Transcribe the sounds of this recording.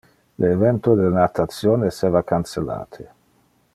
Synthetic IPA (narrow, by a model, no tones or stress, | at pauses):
lʔeːvɛnt̪od̪elnat̪at̪sjoːnseːvakansela̰ːt̪ʰe